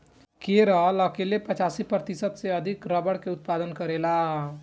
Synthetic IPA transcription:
keɾələkelepət͡ʃaːsipɾət̪isət̪seəd̪ʱikɾəbəɽkeʊt̪̚paːd̪ənkəɾelaɦ

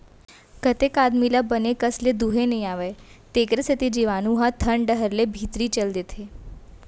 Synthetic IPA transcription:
kət̪ekad̪milabənekəsled̪uɦenəɦĩaʋəj | t̪ekɾəsət̪id͡ʒiʋanuɦãt̪ʰəɳɖəɦəɾlebʱit̪ɾit͡ʃəld̪et̪ʰe

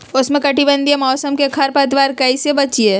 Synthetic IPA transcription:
ʊsmẽkɐʈibə̃nd̪iemɔːsəmkekʰɐɾpɐt̪ʋaːɾkɐisebɐt͡ʃie

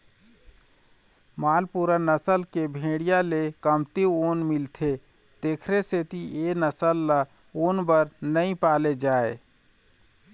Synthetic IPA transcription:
maːlpuɾənəsəlkebʱẽːɽijalekəmt̪ionmilt̪ʰe | d̪̥eːkʰɾeset̪ienəsəlːa | oːnbəɾnəĩpaːled͡ʒaːe

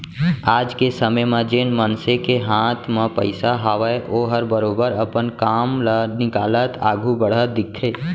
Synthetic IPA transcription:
aːd͡ʒkesəməjmẽd͡ʒenmənsekeɦãːt̪ʰmepə̰ɪsaɦaʋəeʔoɦəɾbəɾoːbəɾəpənkaːmlanɪkaːlət̪ʰa̰ːɡʱubəɽ̤ət̪̚d̪ɪk̚t̪ʰeː

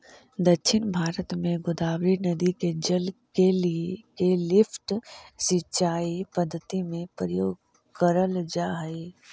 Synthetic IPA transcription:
d̪ɐkʃʰɪnbʱaːɾət̪mẽɡʊd̪aːbɾinɐd̪iked͡ʒəlkeliekelɪfʰʈsɪtːʃaːipɐd̪ʱːət̪imẽpɾəjoːɡ | kəɾəld͡ʒaːɦɐi

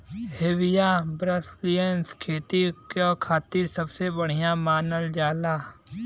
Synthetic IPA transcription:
hewɪjãbɾəslijənskʰeːt̪ikokʰaːt̪ɪɾsəbsebəɽ̤ijãmaːnəld͡ʒaːlaː

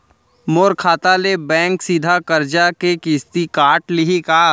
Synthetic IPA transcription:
moːɾkʰaːt̪alebɛ̃ːŋksiːd̪ʱakɐɾd͡ʒakekiːst̪ikaːʈlɪɦikaː

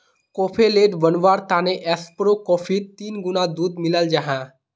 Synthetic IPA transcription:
koːpʰeleʈʋənʋaɾt̪aneʔɛspɾokɔpʰit̪iːnɡunad̪ud̪miləld͡ʒaɦã

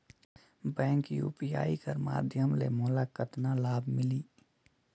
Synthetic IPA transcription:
bɛ̃ːŋkjṵːpia̰ːikəɾma̰ːd̪ʱjəmlḛmʊːlakət̪nalaːbʱmɪliː

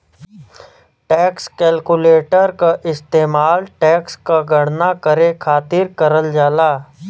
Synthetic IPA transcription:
ʈɛːkskɛːlkʊleːʈəɾkaʔɪst̪eːmaːlʈɛːkskaɡʱɐɽ̤nakəɾekʰaːt̪ɪɾkəɾəld͡ʒaːlaː

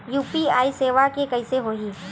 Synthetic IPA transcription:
juːpiaːiseːʋakekɐɪseɦoːiː

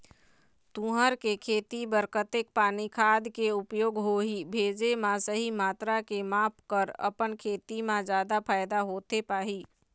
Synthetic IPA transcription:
t̪ũɦəɾkekʰeːt̪ibəɾkət̪eːk̚paːnikʰaːd̪ʱkeʊpjoːɡɦoɦibʱeːd͡ʒemãsəɦimaːt̪ɾakemaːpʰkəɾə̰pənkʰeːt̪imãd͡ʒaːd̪apʰaːjd̪aɦoːt̪epaːɦi

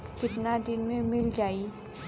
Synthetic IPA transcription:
kɪtnadinmemɪld͡ʒai

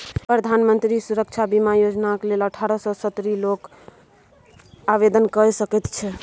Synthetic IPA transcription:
pɾəd̪ʱanmənt̪ɾisuɾək̚t͡ʃʰabimajod͡ʒnakleləʈʰaɾəsɔsət̪ɾilok | aʋed̪ənkəɾsəkɛt̪t͡ʃʰɛ

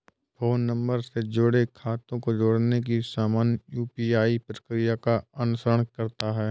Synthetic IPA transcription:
foːnːɐ̃mbəɾsed͡ʒʊɽekʰaːt̪õkod͡ʒoɽnek̬isaːmaːnjjuːpiːaːipɾəkɾijakaɐnʊsəɾəɳ̃kɐɾt̪aɦɛː

